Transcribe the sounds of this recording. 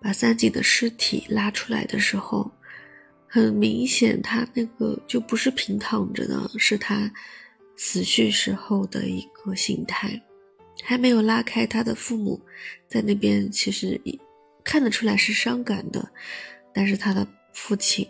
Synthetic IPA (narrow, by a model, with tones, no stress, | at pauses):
pa˨˩sa˥nt͡ɕi˨˩d̪ə˦ʂɻ̩˥t̪ʰḭ˨˩la˥ʈ͡ʂʰu̥˥la̰˧˥ɪd̪ə˧ʂɻ̩˧˥xo˥˧˩ʊ | xə˨˩nmi˧˥ŋɕjɛ˨˩nt̪ʰa˥na˥˩ɡə̰˩t͡ɕjo˥˩ʊpu˧˥ʂɻ̩˥˩pʰi˧˥ŋt̪ʰɑ˨˩ŋʈ͡ʂə̰˧nə̰˩ʂɻ̩˥˩t̪ʰa˥ | t͡sʰɹ̩˨˩ɕy˥˩nʂɻ̩˧˥xo˥˩ʊd̪ə̰˩i˧˥ɡ̥ə˧ɕi˧˥ŋt̪ʰa˥˩ɪ | xa˧˥ɪme˧˥ɪjo˨˩ʊla˥kʰa˥ɪt̪ʰa˥d̪ə˨fu˥˩mṵ˨˩˦t͡sa˥˧ɪna˥˩pjɛ˥nt͡ɕʰi˧˥ʂɻ̩˧˥i˨˩ | kʰa˥˩nlə˩ʈ͡ʂʰu˥la˧˥ɪʂɻ̩˥˩ʂɑ˥ŋka˨˩nd̪ə̰˦t̪a˥˧nʂ̬ɻ̩˥˩t̪ʰa˥d̪ə˧˩ | fu˥˩t͡ɕʰi˨˩n